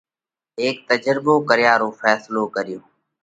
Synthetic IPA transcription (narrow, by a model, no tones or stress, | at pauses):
eːk̚t̪əd͡ʒɾɪboːkəɾɪjaːɾoːfʰɛːsloːkəɾɪjoː